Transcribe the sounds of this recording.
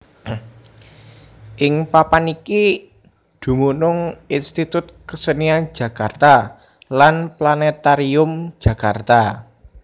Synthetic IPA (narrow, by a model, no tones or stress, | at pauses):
ʔɪŋpapaniki | d̪̥ṳmunʊŋinst̪it̪ʊt̪̚kəsənian̥d͡ʒ̥ä̤kart̪a | lanplanɛt̪aɾiʊm̥d͡ʒ̥ä̤kart̪a